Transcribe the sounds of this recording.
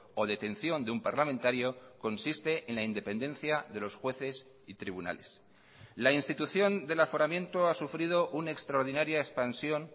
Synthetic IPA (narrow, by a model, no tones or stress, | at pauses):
oðe̞t̪e̞nθjo̞nd̪eumpaɾlament̪aɾjo̞ko̞nsist̪e̞ʔenlaind̪e̞pe̞nd̪e̞nθjaðe̞lo̞sxwe̞θe̞s | it̪ɾiβ̞una̰le̞̰s | lainst̪it̪uθjo̞nd̪e̞lafo̞ɾamjẽ̞nt̪oasufɾið̞o̞ʔunaekst̪ɾaoɾð̞inaɾjaekspansjo̞n